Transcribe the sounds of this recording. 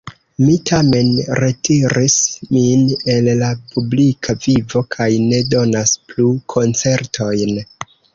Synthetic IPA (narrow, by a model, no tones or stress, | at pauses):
mitʰame̞nɾe̞tʰiɾismine̞lːapʰublikʰavivo̞kʰajne̞do̞nasplukʰo̞nt͡se̞ɾtʰo̞jn